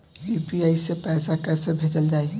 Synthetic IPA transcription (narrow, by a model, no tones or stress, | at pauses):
juːpiaːisepɛːsakɛːsebʱeːd͡ʒəld͡ʒaːie